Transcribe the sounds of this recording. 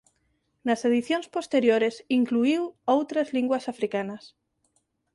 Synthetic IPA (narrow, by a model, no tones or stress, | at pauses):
naseð̞iθjõnspost̪eɾjoɾesiŋkluiwowt̪ɾazliŋɡwasafɾikanɐs